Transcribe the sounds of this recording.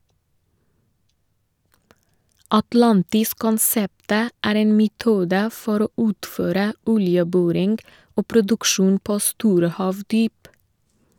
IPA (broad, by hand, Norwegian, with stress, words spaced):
ɑtˈlɑntɪs kɔnˈsɛptə ˈæːɾ ˈeːn mɛˈtuːdə ˈfɔɾ ˈoː ˈʉːtføːɾə ˈɔljəˌbɔɾɪŋ ˈoː pɾʊdʉkˈʃuːn ˈpoː ˈstuːɾə ˈhɑːʋdyːp